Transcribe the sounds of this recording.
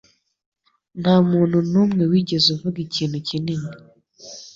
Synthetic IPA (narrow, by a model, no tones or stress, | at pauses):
namuːn̤unuːmŋewiːɟezuvuɡiciːn̤ucinini